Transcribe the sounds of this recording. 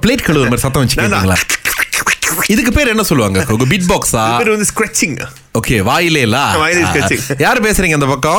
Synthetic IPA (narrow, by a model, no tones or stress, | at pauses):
pleːʈkɐɭɯðɐmaːɾisɐt̪̬ːɐ̃ʋɐt͡ʃːɯ̥kːɐnaŋɡɐɭa̰ː | ɪðɯk̬ːɯpeːɾɛnːɐsɔlːɯʋaːŋɡɐkɔŋɡɐbɪʈ̚baːksaːeːɾʋɐnd̪ɯskɾɐt͡ʃːɪŋ | oːkeːʋaːjɪleːɪlːaːaːjleskɾɐt͡ʃɪŋjaːɾɯpeːsɪɾiːŋɡɐnd̪ɐpɐkːõ